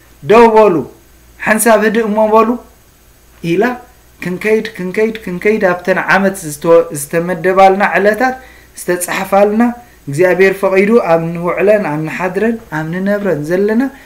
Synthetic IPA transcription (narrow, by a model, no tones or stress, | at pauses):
d̪owβolu | ħansaβhɨd̪ɨɨmːoβolu | ʔila | kʰɨŋkʰɐjd̪kʰɨŋkʰɐjd̪kʰɨŋkʰɐjd̪aβt̪ʰɐnʕamɐt̪zɨt̪ʰɐmɐd̪ːɐβalnaʕɨlɐt̪ʰat̪ | z̥ɨ̥t̪ʰɐt͡sʼaħfalna | ɪɡzabeɾfɐχʼid̪uaβnɨwʊʕlɐnaβnɨħad̪ɾɐnaβnɨnɐβɾɐnzɐlːɐna